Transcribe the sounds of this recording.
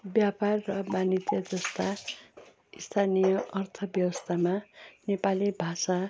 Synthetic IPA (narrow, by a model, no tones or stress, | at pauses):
bjaparːʌbanit̪jʌd͡zʌst̪a | ist̪ʰanijʌʔʌrt̪ʰʌbjʌwʌst̪ʰamanepalibʱasa